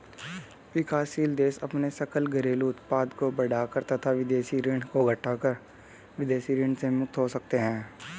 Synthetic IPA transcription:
ʋɪkaːsiːld̪eːsɐpnesɐkəlɡɐɾeːluʊt̪̚paːd̪kobɐɽaːkəɾt̪ɐt̪ʰaʋɪd̪eːʃiɾɪ̃ɳɖkoɡʱəʈʰːakəɾ | ʋɪd̪eːʃiɾɪ̃ɳɖsemʊk̚t̪ʰɦosɐk̚t̪eɦɛ̃ː

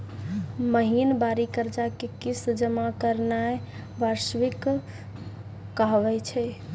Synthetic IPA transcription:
məɦinbaɾikəɾd͡ʒakekisd͡ʒəmakəɾnae | baɾsʋik | aɦʋɛt͡ʃʰɛ

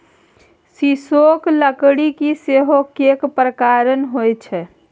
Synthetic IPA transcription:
sisokləkɽikiseɦokekpɾəkaɾənɦojt͡ʃʰɛ

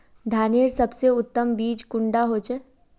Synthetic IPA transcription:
d̪ʱaːneːɾsɐbseʊt̪ːəmbiːd͡ʒkʊ̃ɳɖaɦoːt͡ʃɛ

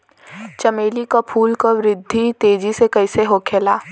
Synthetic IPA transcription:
t͡ʃɐmeːlikapʰuːlkoʋɾɪd̪ʱːit̪eːd͡ʒisekɐɪseɦoːkʰeːlaː

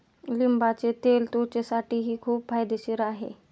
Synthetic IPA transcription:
limbat͡set̪elt̪ot͡ɕesaʈiːɦiːkʰuːpfajd̪eɕiɾaɦḛ

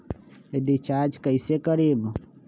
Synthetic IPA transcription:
eɖɪt͡ʃaːɾd͡ʒkəisekəɾiːb

